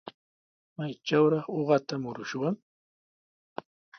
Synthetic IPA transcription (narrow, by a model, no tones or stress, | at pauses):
majt͡ʃawɾɑχoɢɑt̪amʊɾʊʃʊwaŋ